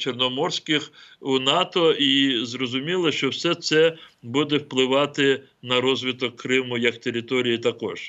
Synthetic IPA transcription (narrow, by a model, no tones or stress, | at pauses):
t͡ʃernɔmɔrsʲkɪxunɑt̪ɔizrɔzʊmʲilˠɐʃt͡ʃɔwsɛt̪sɛbud̪ɛwplˠɪʋɑt̪ɪ | nɐɾɔzʲʋʲit̪ɔkːɾɪmʊjɐkt̪eɾʲɪt̪ɔɾʲijit̪ɐkɔ̰ʒ̥